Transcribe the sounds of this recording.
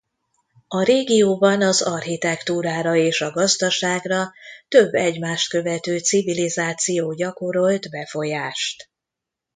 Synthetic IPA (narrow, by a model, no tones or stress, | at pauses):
ɒɾeːɡijoːbɒnɒzɒrhit̪ɛkt̪uːɾaːɾɒeːʃɒɡɒzd̪ɒʃaːɡrɒt̪ø̞bːɛɟmaːʃt̪kø̞vɛt̪øːt̪sivilizaːt̪sijoːɟɒko̞ɾo̞lt̪bɛfo̞jaːʃt̪